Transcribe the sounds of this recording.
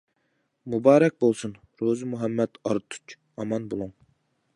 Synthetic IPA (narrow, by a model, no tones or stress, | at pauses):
mubɑːɾɛk̚ʲbolˠsun | ɾozɨmuɦɛmːɛd̪ɑɾt̪ʰu̥t͡ʃ | ɑmɑnbolˠuŋ